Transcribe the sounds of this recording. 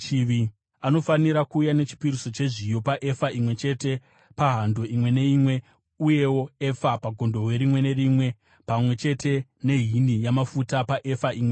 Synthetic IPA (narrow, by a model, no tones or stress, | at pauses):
t͡ʃiʋi | ano̞faniɾakuːjane̞t͡ʃi̥piɾiso̞t͡ʃe̞ʐijo̞paʔe̞faʔimwe̞t͡ʃe̞te̞ | paɦando̞ʔimwe̞ne̞imwe̞ | uje̞wo̞e̞fapaɡʱo̞ndo̞we̞ɾimwe̞ne̞ɾimwe̞ | pamwe̞t͡ʃe̞te̞ne̞ɦinijamafutapaʔe̞faʔimwe